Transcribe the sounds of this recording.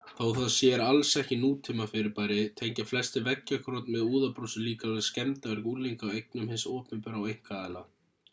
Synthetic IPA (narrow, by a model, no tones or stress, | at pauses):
θowθaðsjɛɾalsɛhcɪnuːt̪ʰɪːmafɪɾɪɾpaːjɾɪt̪ʰejɲcaflɛst̪ɪvɛcːakʰɾɔt̪nmɛðuːðapɾosʏliːkalscɛmt̪aɛɾkuleŋkawejk̚nʏmhɪnsɔːpnɪmpʏɾawejŋ̥kaːla